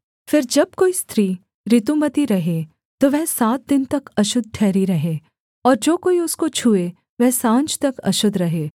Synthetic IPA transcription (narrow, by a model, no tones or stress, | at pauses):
fɪɾd͡ʒɐb̚koːist̪ʰɾiː | ɾɪt̪umɐt̪iɾɐɦe | t̪oʋɛɦsaːt̪̚d̪ɪnt̪ɐkɐʃʊd̪̚ʈʰɛːɾiɾɐɦeː | ɔːɾd͡ʒoːkoːiʊskot͡ʃʰuːe | ʋɛɦsãːnt͡ʃt̪ɐkɐ̰ʃʊd̪ʱɾɐɦeː